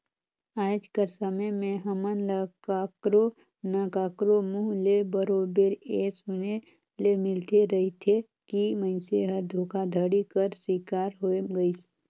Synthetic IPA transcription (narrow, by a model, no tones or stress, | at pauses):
aːd͡ʒkəɾsəməjmẽɦəmənlakaːkɾo | naːkaːkɾomuɦlebəɾoːbeɾeːsʊne | lemɪlt̪eɾɐɦit̪ʰe | kiməɪ̃nseɦəɾd̪ʱoːkad̪ʱəɽikəɾswiːkaːɾɦoːeɡəis